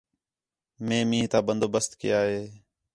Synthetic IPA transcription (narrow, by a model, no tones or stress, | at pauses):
mẽːmĩːɦt̪aːbənd̪oːbəst̪kɪ̰jaːɦeː